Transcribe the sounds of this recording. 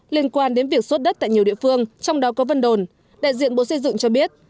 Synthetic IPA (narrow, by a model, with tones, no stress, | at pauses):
li˧ənkwaː˧nɗe˨˦nvi˨˩ək̚so˦˥t̚ɗə˦˥t̚t̪a̰ː˧˨jɲi˨˩əwɗi˧˨əfɨ˧əŋt͡ɕɔ˧wŋ͡mɗɔ˨˦kɔ˨˦və˧nɗo˨˩n | ɗa̰ː˧˨jzḭ˧˨ənɓo̰˧˨sə˧jzɨ̰˧˨ŋt͡ɕɔ˧ɓi˦˥ət̚